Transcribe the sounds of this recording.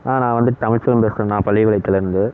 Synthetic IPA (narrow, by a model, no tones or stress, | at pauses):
aːnãːʋɐnd̪ɯt̪ɐmɪɻt͡ʃːɐɾɐmpeːskɾõnãːpɐɭːɪʋɪɭɐɪt̪ːɪlɪɾɯnd̪ɯ